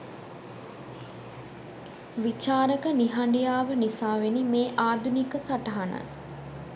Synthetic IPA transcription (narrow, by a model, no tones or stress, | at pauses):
ʋit͡ʃaːɾəkəniɦaɳɖijaːʋənisaːʋenimeːʔaːd̪ʱunikəsaʈɐɦanə̰